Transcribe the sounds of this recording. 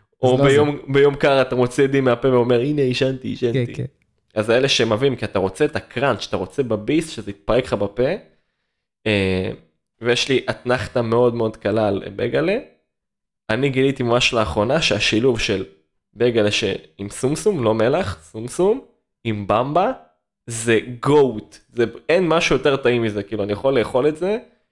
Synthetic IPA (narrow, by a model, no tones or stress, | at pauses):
obejombejo̞mkaʁat̪amo̞t͡sid̪imeapeveo̞me̞ʁineiʃant̪iiʃant̪i | azeleʃemavimkiat̪aʁo̞t͡seet̪akʁant̪ʃat̪aʁo̞t͡sebabisʃezeit̪̚paʁekχabape̞ | e | vejeʃliʔat̪naχt̪ame̞o̞d̪meo̞d̪kalalbeɡale | aniɡilit̪imamaʃlaːχʁo̞naʃeaʃiluvʃel | beɡaleʃḛimsumsumlo̞me̞laχsumsum | imbamba | zeɡo̞wtzeenmaʃujo̞te̞ʁt̪aimːizekiːluanijaχo̞lːe̞ːχo̞letze